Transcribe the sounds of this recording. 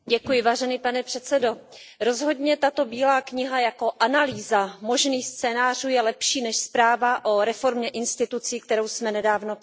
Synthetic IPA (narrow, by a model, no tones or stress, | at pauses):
ɟɛkujɪvaːʒɛniːpanɛpr̝̥ɛt̪t͡sɛdo̞ɾo̞zɦo̞dɲɛt̪at̪o̞biːlaːkɲɪɦajako̞ʔanaliːzamo̞ʒniːxst͡sɛːnaːr̝uːjɛlɛpʃiːnɛʃspɾaːvaʔoɾɛfo̞ɾmɲɛʔɪnst̪ɪt̪ut͡siːk̚t̪ɛɾo̞wsmɛnɛdaːvno̞